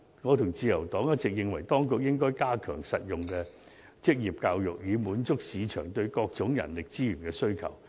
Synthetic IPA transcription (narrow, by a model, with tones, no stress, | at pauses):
ŋɔː˨˧t̪ʰʊ˨˩ŋt͡siː˧jɐ˨˩wt̪ɔː˨˥ŋjɐ˥t̚t͡sɪ˨k̚jɪ˨ŋwɐ˨˩jt̪ɔː˥ŋkʊ˨k̚jɪ˥ŋkɔː˥jkaː˥kʰœ̰ː˨˩ŋsɐ˨t̚jʊ˨˩ŋkɛː˧ | t͡sɪ˥k̚jiː˨˩p̚kaː˧wjʊ̰˨k̚jyː˨˧muː˨˥nt͡sʊ˥k̚siː˨˧t͡ʃʰœ̰ː˨˩ŋt̪ɵ˧ɥkɔː˧k̚t͡sʊ˨˥ŋjɐ̰˨˩nlɪ˨k̚t͡siː˥jyː˨˩nkɛː˧sɵ˥ɥkʰɐ̰˨˩w